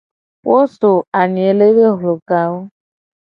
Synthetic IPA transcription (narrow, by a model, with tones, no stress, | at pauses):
wo˦so˨a˨ni˨e˨le˦be˦ɦʊ˨lo˨ka˦o˦